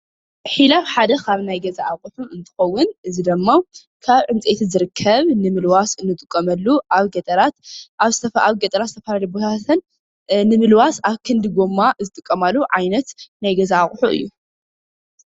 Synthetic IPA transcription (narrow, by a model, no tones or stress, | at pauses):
ħilafħad̪ɐkʰaβnajɡɐzaʔaχʼħuɨnt̪ʰɨ̥xɐwːʊnʔɨzid̪ɐmːaw | kʰaβʕɨnt͡sʼet̪ʰizɨɾɨkʰːɐβnɨmɨlwasɨnːɨt̪ʼɨkʼːɐmɐlːuʔaβɡɐt̪ʼɐɾat̪ʔaβzɨt̪ʰɐfaβɡɐt̪ʼɐɾat̪zɨt̪ʰɐfɐlalijbot̪ʰat̪ʰɐn | nːɨmɨlwasaβkʰɨnd̪ɨɡomːazɨt̪ʼɨkʼːɐmalːuʕajnɐt̪najɡɐzaaχʼħuʔɨ̰jːu